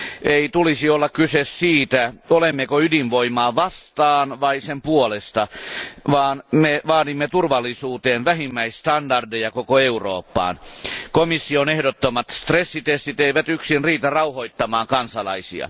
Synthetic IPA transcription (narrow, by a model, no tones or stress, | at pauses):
eit̪ulisiolːɑkkysessiːt̪æolemːekoydinʋoimɑːʋɑst̪ɑːnʋɑisempuolest̪ɑʋɑːnmeʋɑːdimːet̪urʋɑlˑːisuːt̪eːnʋæhimːæisst̪ɑndɑrdejɑkokoeuro̰ːpːɑ̰ːnkomisːionehdot̪ːomɑt̪st̪resːit̪est̪it̪eiʋæt̪yksinriːt̪ɑrɑuhoit̪ːɑmɑːŋkɑnsɑlɑ̰isḭɑ̰